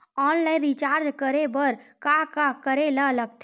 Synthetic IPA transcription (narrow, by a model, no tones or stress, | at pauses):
ɔnlaĩnɾit͡ʃaːɾd͡ʒkəɾebəɾkakakəɾelələkt̪ʰ